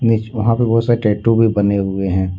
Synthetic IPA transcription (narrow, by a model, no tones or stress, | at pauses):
nit͡ʃʋɐɦãpebɔːt̪saːɾeʈɛːʈubʱibɐneɦʊeɦɛ̃ː